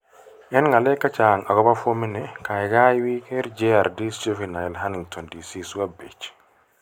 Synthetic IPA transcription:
ʔɛnŋalɛkːat͡ʃaŋaɡɔbafominɛkajɡawiːkɛɾd͡ʒeaɾdist͡ʃifinajlɦaniŋt̪ʰɔndisisuwabet͡ʃːi̥

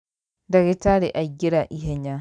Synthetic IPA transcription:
daɡɛtaːɾɛʔaɡʲiɾaʔiɦɛɲa

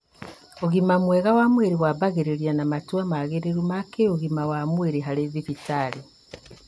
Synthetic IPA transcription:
oɣimamweɣawamweɾiwaβaɣeɾeɾjanamatwamaɣeɾeɾumakeoɣimawamweɾiɦalezifitali

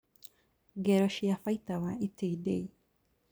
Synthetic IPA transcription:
ɡɛɾɔʃiafajt̪awaiteidei

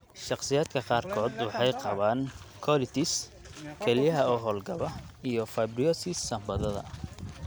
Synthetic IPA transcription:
ʃɑqsɪjaːd̪kʰɐqɑːrkʰɔːd̪wɑħɑjqɑβaːnkʰɔlɪt̪ʰɪs | kʰɛlɪjɐɦɐɔːɦɔːlɡɐβɐijɞfɐbrɪjɔsisːɐmbɐðɐðɐ̰

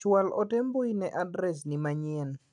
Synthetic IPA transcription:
t͡ʃwalʔɔtemboinɛʔadɾɛs̬nimaɲɛn

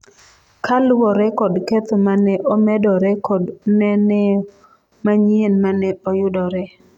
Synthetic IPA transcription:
kʰalwɔɾɛkɔdkɛt̪ɔmanɛʔɔmɛdɔɾɛkɔdnɛnɛ | maɲienmanɛɔjʊdɔɾɛ

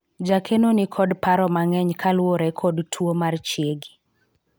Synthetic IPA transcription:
d͡ʒakʰenonikʰɔdpaɾɔmaŋɛɲkʰalwoɾɛkʰɔdtʰwomart͡ʃjeɡi

